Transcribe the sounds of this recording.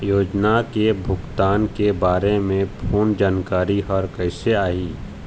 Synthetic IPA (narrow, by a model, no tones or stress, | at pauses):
joːd͡ʒnakebʱʊɡt̪aːnkebaːɾemẽpʰoːnd͡ʒaːnkaːɾiɦɔɾkɛɪseaːiː